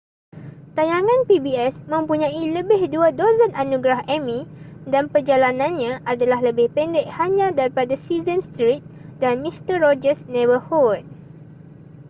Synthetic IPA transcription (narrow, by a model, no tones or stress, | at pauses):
t̪ajaŋãnpibiɛsmə̃mpuɲãiləbɪhduadozənanũɡɾahɛmĩdanpərd͡ʒalanãnɲãʔadalaɦləbɪhpɛndɛk̚haɲãdaɾipadasizənst̪ɾit̪̚danmist̪əɹɔd͡ʒəsnɛvəhɔlt̚